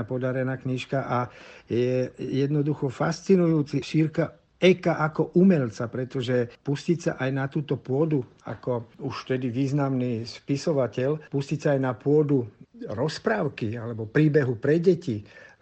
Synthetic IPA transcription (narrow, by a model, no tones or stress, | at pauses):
apɔd̪aɾɛnaːkɲiʃkaʔajɛjɛd̪nɔd̪uxɔfast͡sinujuːt͡siʃiːɾka | ɛkaʔakɔʔumɛʎt͡sapɾɛt̪ɔʒɛpuscicsa̰ʔajnat̪uːt̪ɔpʊɔd̪u | a̰kɔuʃft̪ɛd̪iʋiːznamniːspisɔʋacɛʎpuscicsaːjnapʊɔd̪uɾɔspɾaːʊkialɛbɔpɾiːbɛɦupɾɛɟɛci